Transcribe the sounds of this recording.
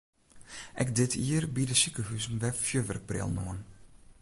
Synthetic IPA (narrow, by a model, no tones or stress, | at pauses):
ʔɛ̰kdɪtʰiːərbidəsykəɦyzəmʋɛfjøʋə̰rk̚prɪ̰lˠno̰ːn